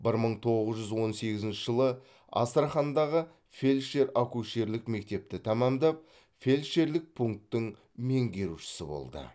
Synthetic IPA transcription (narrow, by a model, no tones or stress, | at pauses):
bɪɾməɴt̪ʰo̞ʁəzʒʏzwo̞nse̞ɡʲɪzɪnt͡ʃɪʒəlˠə | ɑ̰st̪ɾaχɑnd̪ɑʁə | fʲe̞lʲʃe̞ɾakuʃe̞ɾlɪkme̞k̚t̪e̞p̚t̪ɪt̪ʰɑmɑmd̪ɑp̚ | fe̞lʲʃe̞ɾlɪk̚pʰuŋk̚t̪ːɪŋ | me̞ŋɡʲe̞ɾuʃɪ̥sɪbo̞̰lˠd̪ə̰